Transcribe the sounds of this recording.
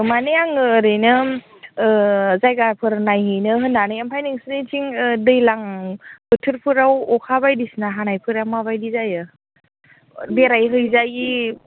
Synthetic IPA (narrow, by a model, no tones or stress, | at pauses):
manejaŋɯːɾɯjnɯ | zajɡaɾpʰɯɾnajɦɯjnɯɦɯnːanɯjampʰajniŋsɯnitʰiŋdɯjlaŋbɯtʰɯɾpʰɯɾawɔkʰabajdisnaɦanajpʰɯɾamaβajdizajɯ | beɾajɦɯjzaji